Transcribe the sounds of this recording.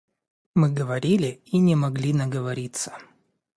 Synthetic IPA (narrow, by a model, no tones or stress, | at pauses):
mɨɡəvɐɾʲilʲɪinʲɪmɐɡlʲinəɡəvɐɾʲit̪sə̥